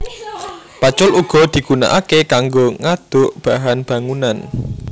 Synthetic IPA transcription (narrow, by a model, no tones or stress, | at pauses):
pat͡ʃʊluɡ̥ɔ̤d̪̥i̤ɡ̥una̰ʔakekaŋɡoŋad̪̥ʊʔb̥a̤ɦanb̥a̤ŋunan